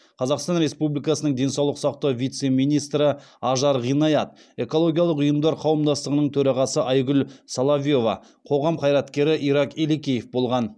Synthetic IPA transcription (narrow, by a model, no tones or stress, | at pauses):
qʰɑzɑqst̪ɑnɾe̞spublijkɑsənəɴd̪e̞nsɑwlˠəqsɑq̚t̪ɑwvijt̪se̞mijnijst̪ɾɪɑʒɑɾʁijnɑjɑt̪̚ | e̞ko̞lˠo̞ɡʲijɑlˠəqʊjəmd̪ɑɾqʰɑwəmd̪ɑst̪əʁənəɴt̪ʰɵɾɑʁɑsəʔɑjɡʏlsɑlˠɑvʲijo̞vɑ̰ | qʰo̞ʁɑmqʰɑjɾɑt̪kʲe̞ɾɪʔiɾɑqelekʲejefbo̞lˠʁɑn